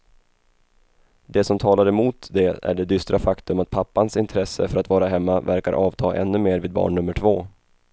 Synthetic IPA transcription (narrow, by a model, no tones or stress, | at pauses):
d̪ɛsɔmt̪ʰɑːlaɾəmuːt̪d̪ɛæ̰ɖɛd̪ʏst̪ɾʔafakt̪ɵmat̪̚pʰapːansɪnt̪ʰɾɛsːə̰fœɾat̪vɑːɾaɦɛmːavæɾka̰ɾʔɑːvt̪ʰɑːʔɛ̰nːɵmeːɾviːd̪̚bɑ̰ːɳnɵmːəʈʰvoː